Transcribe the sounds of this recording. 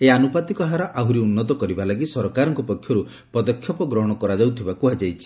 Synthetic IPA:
eanupat̪ikɔɦaɾɔʔaɦuɾiunːɔt̪ɔkɔɾibalaɡisɔɾɔkaɾɔŋkɔpɔkʰjɔɾu | pɔd̪ɔkʰjɔpɔɡɾɔɦɔɽ̃ɔkɔɾad͡ʒawt̪ʰibakuad͡ʒajt͡ʃʰi̥

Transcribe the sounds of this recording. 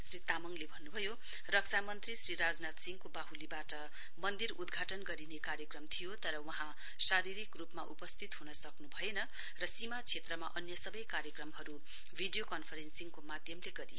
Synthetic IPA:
srit̪amʌŋlebʱʌnːubʱʌjo | rʌk̚t͡sʰamʌnt̪risriɾad͡znat̪siŋkobaɦulibaʈʌ | mʌnd̪iɾud̪ɡʱaʈʌnɡʌɾinekaɾjʌkrʌmt̪ʰijot̪ʌɾʌwʌɦã | saɾiɾikrupmaʔupʌst̪ʰit̪ɦunʌsʌknubʱʌjenʌ | rʌsimat͡sʰet̪rʌma̰ʔʌnjʌsʌbʌjkaɾjʌkrʌmɦʌɾu | bʱiɖijokʌnpʰʌɾensiŋkomad̪ʱjʌmleɡʌɾijo

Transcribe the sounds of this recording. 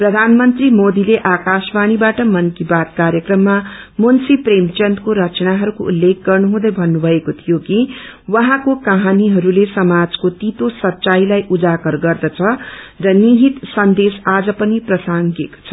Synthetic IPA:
prʌd̪ʱanmʌnt̪rimod̪ileʔakasbañibaʈʌmʌnkibat̪̚kaɾjʌkrʌmːa | monsipremt͡sʌnt̪koɾʌt͡snaɦʌɾukoulːek̚ɡʌrnuɦũd̪ʌjbʱʌnːubʱʌekot̪ʰijoki | wʌɦãkokaɦaniɦʌɾulesʌmad͡zkot̪it̪osʌtːt͡sajlajʔud͡zakʌrɡʌrd̪ʌt͡sʰʌrʌniɦit̪sʌnd̪esad͡zʌpʌniprʌsaŋɡeko̥t͡sʰʌ

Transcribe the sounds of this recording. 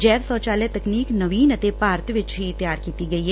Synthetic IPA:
d͡ʒɛːɾsɔːt͡ʃaːlɛt̪ɐkniːknəʋiːnət̪epaːɾt̪ʰʋɪt͡ʃɦiɪt̪jaːɾkiːt̪iɡɐiɦɛ

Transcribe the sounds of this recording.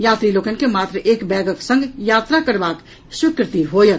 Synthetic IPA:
jaːt̪ɾiloːkənkemaːt̪ɾəʔeːkbɛːɡəksə̃ŋɡjaːt̪ɾakəɾbaːk | ʃʊkɾɪt̪iɦoːjə

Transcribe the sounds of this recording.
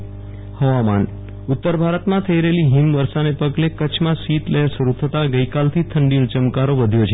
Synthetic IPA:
həʋama̰n | ʊt̪ːəɾbʱaɾət̪mãt̪ʰəiɾəeliɦimʋəɾsanepəɡlekət͡ʃʰmãsit̪leɦeɾsʋəɾut̪ʰət̪aɡəikalt̪ʰit̪ʰəɳɖinõt͡ʃəmkaɾoʋəd̪ʱjot͡ʃʰe

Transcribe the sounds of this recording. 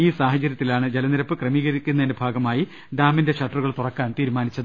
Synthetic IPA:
iːsaːɦɐt͡ɕːɐɾjɐt̪ːilaːɳɨd͡ʑe̞lɐniɾɐpːɨkrɐmiːɣɐɾikʲːunːɐðendebʱaːɡɐmaːji | ɖaːminde̞ɕɐʈːruɣɐɭt̪urɐkːaːnt̪iːɾumaːnit͡ɕːɐðɨ

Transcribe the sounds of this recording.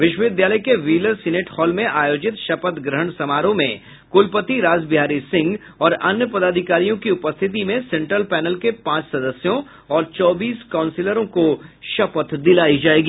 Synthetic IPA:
ʋɪʃwəʋɪd̪jaːləjkeʋiːləɾsɪneːʈhɔːlmẽʔaːjoːd͡ʒɪt̪ʃɐpət̪ɡɾəɦəɳ̃sɐmaːɾõmẽ | kʊlpət̪iɾaːzbɪɦaːɾisɪ̃ŋɡ | ɔːɾɐnjəpɐd̪aːd̪ʱɪkaːɾijõkiʊpəst̪ʰɪt̪̬imẽsɛ̃ɳʈɾəlpɛːnəlkepãːt͡ʃsɐd̪əsjõ | ɔːɾt͡ʃɔːbiːskãːʊ̃nsɪləɾõkoʃɐpət̪d̪ɪlaːid͡ʒaːeːɡiː

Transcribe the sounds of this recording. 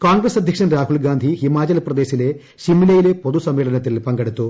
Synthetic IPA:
kaːŋɡɾesɐd̪ʱjɐkʂɐnɾaːɦuɭɡaːnd̪ʱihimaːt͡ʃɐlpɾɐd̪eːsileː | ʃimilɐjleːpod̪usɐmːɛːɭɐnɐt̪illpɐŋɡɐɽut̪u

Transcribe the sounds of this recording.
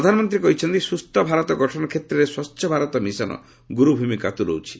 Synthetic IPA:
ɾɔd̪ʱanɔmɔnt̪ɾikɔɦit͡ʃʰɔnt̪isust̪ɔbʱaɾɔt̪ɔɡɔʈʰɔnɔkʰet̪ɾɔɾeswɔtːʃʰjɔbʱaɾɔt̪ɔmisɔnɔ̰ | ɡuɾubʱumika̰t̪uɾo̰wt͡ʃʰi̥

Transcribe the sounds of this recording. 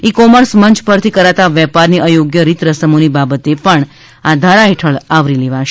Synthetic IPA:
ikɔməɾsməɲt͡ʃpəɾt̪ʰikəɾat̪aʋɛpaɾniʔəjoɡjəɾit̪ɾəsəmonibabət̪epəɳ | ad̪ʱaɾaɦeʈʰəɭaʋɾileʋaʃ

